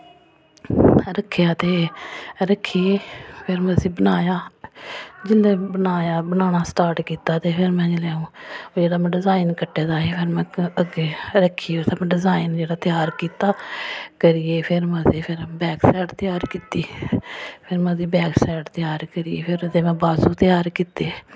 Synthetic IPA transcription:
ɾəkʰːjaːt̪eːɾəkʰːiːeːpʰɪɾməsiːbənaːjaː | d͡ʒɪlːeːbənaːjaːbənaːnaːsʈaːɾʈkiːt̪aːt̪eːpʰɪɾmɛ̃ːd͡ʒeleːũːd͡ʒeːɽaːmɛ̃ːɖɪzaːiːnkəʈːeːd̪aːɦeːpʰɪɾmɛ̃ːəɡeːɾəkʰːiːeʊt̪amɛ̃ːɖɪzaːind͡ʒeːɽaːt̪ɪjaːɾkiːt̪aːkəɾiːeːpʰɪɾməsiːpʰɪɾbɛːksɛːʈt̪ɪjaːɾkiːt̪iː | pʰɪɾmɛ̃ːziːbɛːksɛːʈt̪ɪjaːɾkəɾiːeːpʰɪɾt̪eːmɛ̃ːbaːsũːt̪ɪjaːɾkiːt̪eː

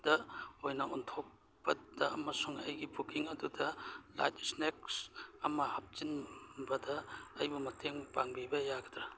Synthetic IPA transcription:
d̥ɐojnɐuntʰok̚ | pɐdɐɐmɐsuŋɐjɡibukiŋɐdudɐla̰jt̚snek̚sɐmɐhɐp̚t͡ʃinbɐdɐːjbumɐtʰeŋpaŋbibɐjaɡɐdɾɐ

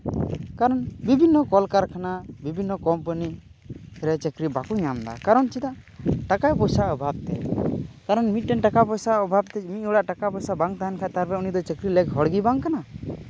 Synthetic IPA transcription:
kaɾɔnbibʱinːɔkɔlkaɾkʰanabibʱinːɔkɔmpəni | ɾɛt͡ʃəkɾibakuɲamd̪a̰kaɾɔnt͡ʃid̪aʔʈakajpɔjsaɔbʱab̚t̪ɛkaɾɔnmiʈɛnʈakapɔjsaɔbʱab̚t̪ɛmit̪̚ˀɔɽaʔʈakapɔjsabaŋt̪aɦankʰat̪aɾbɛunid̪ɔt͡ʃəkɾilɛkɦɔɽɡibaŋkana

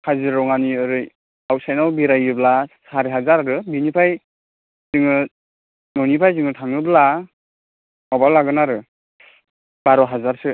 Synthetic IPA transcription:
hazɯɾɔŋaniɯɾɯj | awsajnawbiɾajɯblasaɾiɦazaɾaɾɯbinipʰaj | z̥ɯŋɯ | nɔnipʰajzɯŋɯtʰaŋɯbla | mɔbalaɡɯnaɾɯ | b̥aɾɔɦazaɾsɯ

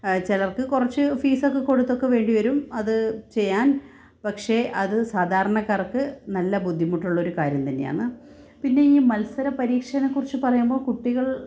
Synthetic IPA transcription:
t͡ɕelɐrkɨkurɐt͡ɕːɨfiːsokːeko̞ɽut̪ːo̞kːe̞ʋe̞ːɳɖiʋɐɾumɐðɨt͡ɕe̞jːaːn | pɐkʂe̞ʔɐðɨsaːd̪ʱaːɾɐɳɐkːaːrokːɨnɐlːɐbud̪ʱːimuʈːuɭːɐo̞ɾukaːɾjɐmt̪ɐnːḛja̰ːɳːɨ | pinːe̞iːmɐlsɐɾɐpɐɾiːkʂɐnɐkːurit͡ɕːɨpɐrɐjumbo̞ːɭkuʈːiɣɐɭ

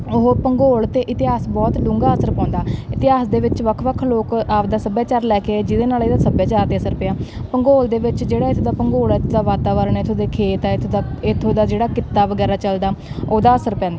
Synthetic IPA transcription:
oɦopəŋɡoːlt̪eːʔɪt̪ɪɦaːsbɔːt̪ɖʊ̃ŋɡaːəsəɾpãːnd̪aːɪt̪ɪɦaːsd̪eːʋɪt͡ʃʋəkʰʋəkʰloːkaːpd̪aːsəbjaːt͡ʃaːɾlɛːkeːd͡ʒɪd̪eːnaːleːd̪aːsəbjaːt͡ʃaːɾt̪eːəsəɾpeaːpəŋɡoːld̪eːʋɪt͡ʃd͡ʒeːɽaːɪt̪ʰoːd̪aːpəŋɡoːlɛːt̪ʰːd̪aːʋaːt̪aːʋəɾəɳɛt̪ʰːoːd̪eːkʰeːt̪ɛːɪt̪ʰːd̪aːɪt̪ʰːoːd̪aːd͡ʒeːɽaːkɪt̪ːaːʋəɡɛːɾaːt͡ʃəld̪aːoːd̪aːəsəɾpɛ̃ːnd̪aː

